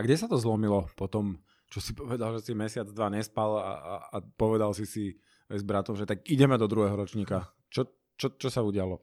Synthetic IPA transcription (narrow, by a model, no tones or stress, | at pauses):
aɡɟɛsat̪ɔzlɔmilɔpɔt̪ɔm | t͡ʃɔsipɔʋɛd̪alʒɛsimɛsɪad͡zd̪ʋaɲɛspala̰apɔʋɛd̪alsisi | ɛzbɾat̪ɔmʒɛt̪akiɟɛmɛd̪ɔd̪ɾuɦɛɦɔɾɔt͡ʃɲiːka | t͡ʃɔ | t͡ʃɔt͡ʃɔsauɟɪalɔ